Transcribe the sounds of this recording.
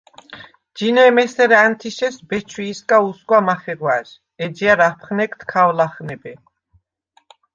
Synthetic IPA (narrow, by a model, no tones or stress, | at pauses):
dd͡ʒinɛmɛsɛɾant̪ʰiʃɛsbɛt͡ʃʰwiːskʼausɡʼwamaχɛɾwaz | ɛd͡ʒiaɾapʰχnɛkʰt̪ʰkʰawlaχnɛbɛ